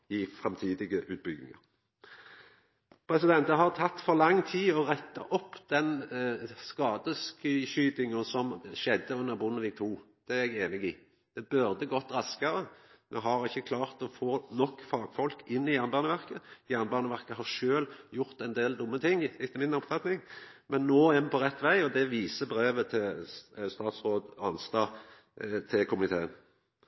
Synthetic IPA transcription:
ɪfʁɛmt̪ʰiːd̪ɪɡəʔʉːt̪̚bʏɡ̪ɪ̰ŋɑ̰ʁ | pʰɾɛsɪd̪ɛnt̪əɦɑʁt̪ʰɑt̪ːfɔɾlɑŋːt̪ʰiːɔʁɛt̪ːɑ̰ʔɔpːd̪̥ɛn | skɑːd̪əskʏɕyːd̪ɪŋəsɔmʃɛd̪ːəʉnːəɾbʊnːəʋɪɡt̪ʰuːd̪̥ɛæɛɡeːnɪɡɪ | d̪̥ɛbʉʁd̪əɡɔt̪ːɾɑskɑɾəmɛɦɑɾɪçːəkʰlɑːʁt̪ɔfoːnɔkːfɑːɡfɔlkɪnːɪjæʁnəbɑːnəʋæʁkəjæʁnbɑʁnəʋæʁkəɦɑɾʂøːljʊɾt̪ɛnd̪eːld̪ʊmːət̪ʰɪŋːɪt̪ːəmɪnɔpfɑt̪nɪŋ | mɛnːoːɛnpʰɔɾɛt̪ːʋæɪɔd̪ɛʋiːsəbɾeːʋət̪ʰɪlst̪ɑːt̪sɾoːd̪ɑnst̪ɑː | t̪ʰɪlkʰʊmʉnɪt̪ʰḛːən

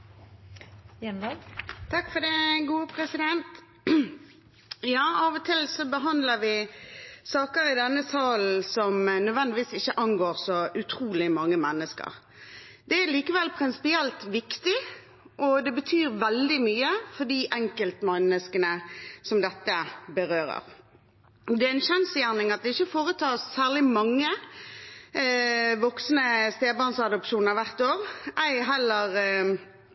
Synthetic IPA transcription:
t̪ʰɑkfɔd̪ɛɡuːəpʰɾɛsɪd̪ɛnt̪ | jɑːɑːʋɔt̪ʰɪlsɔbəɦɑnd̪ləɾʋɪ | sɑːkəɾɪd̪ɛnːəsɑːln̩sɔmnœd̪ʋɛnd̪ɪʋiːsɪçəʔɑnɡoːʁsɔʔʉt̪ʰɾuːlɪmɑŋːəmɛnːəskə̰ʁ | d̪̥ɛæliːkəʋɛlpʰɾɪnsɪ̥pɪɛlt̪ʋɪkt̪ɪ | ʔɔd̪ɛbət̪ʰyːʁʋɛld̪ɪmyːəfɔd̪iːʔɛŋkəlt̪mɛnəskənəsɔmd̪ɛt̪ːəbəʁøːɾə̰ʁ | d̪ɛæɪnʃɛnsjæːʁnɪŋɑt̪̚d̪ɛɪçəfoːʁət̪ʰɑːssæːlɪmɑŋːə | ʋɔksnəst̪eːbɑʁnsɑd̪ɔpʃuːnəʋæʁt̪oːʁæɪɦɛlːəʁ

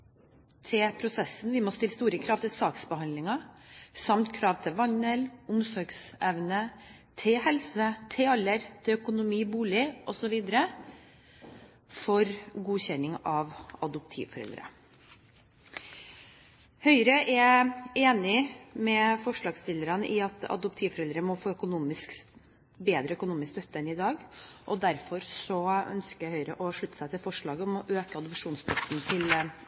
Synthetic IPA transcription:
t̪ʰɪpʰɾʊsɛsːn̩ʋɪmɔst̪ɪlːst̪uːɾəkʰɾɑːʋt̪ʰɪlsɑːksbəhɑnd̪lɪŋɑsɑmt̪kʰɾɑːʋt̪ʰɪlʋɑnəlʊmsɔɾɡsɛʋnə | t̪ʰɪhɛlsət̪ʰɪɑlːəɾt̪ʰɪlœkʊnʊmiːbuːlɪʔɔsɔʋiːd̪əɾə | fɔɾɡuːçɛnɪŋɑːʋɑd̪ʊp̚t̪ʰḭːʋfɔɾɛ̰ld̪ɾə̰ | hœʏɾəʔɛeːnɪmɛfɔʂɭɑːɡst̪ɪlːəɾɑnəʔɪɑt̪ɑ̰d̪ʊp̚t̪ʰiːʋfɔɾɛld̪ɾəmɔfoːœkʊnuːmɪsk | beːd̪ɾəœkʊnuːmɪskst̪œt̪ːəɛnɪd̪ɑːɡʔɔd̪æɾfɔɾsɔœ̰nskəjæhœʏɾəʔɔʂɭʉt̪ːə̥sæɪt̪ʰɪlfɔʂɭɑːɡəɔmɔʔøːkəɑd̪ʊpʂuːnst̪ʰɔt̪nt̪ʰɪl

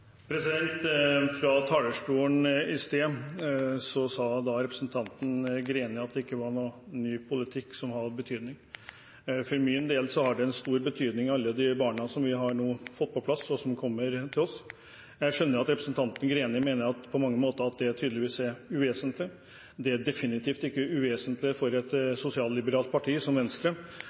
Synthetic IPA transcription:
pʰɾɛsɪd̪ɛnt̪fɾɑt̪ʰɑːləʂʈuːəɳɪst̪eː | sɔsɑːd̪ɑɾɛpɾəsnt̪ʰɑnt̪ən̩ɡɾeːnɪɑt̪̚d̪ɛɪkːəʋɑɾɳuːnyːpʰʊlɪt̪ʰɪkːsɔmhɑbət̪ʰyːd̪nɪŋ | fɔɾmɪnd̪eːlsɔhɑɖɛɛnst̪uːɾbət̪ʰyːd̪nɪŋɑlːəd̪ɪbɑːɳəsɔmʋɪɦɑɾɳuːfɔt̪ːpɔpʰlɑsɔsɔmkʰɔmːəɾt̪ʰɪlɔs | jæʂœnːəɾɑt̪ɾɛpɾəsn̩t̪ʰɑnt̪ən̩ɡɾeːnɪmeːnəɾɑt̪pʰɔmɑŋːəmoːt̪əɾɑt̪̚d̪ɛætʰyːd̪əlɪʋiːsæɾʉʋeːsənt̪lɪ | d̪ɛæɖɛfɪnɪt̪ʰiːft̪ɪkːəʉʋeːsənt̪lɪfɔɾɛt̪sʊsɪɑːllɪbəɾɑːlt̪̚pʰɑʈʰiːsɔmʋɛnəst̪lə

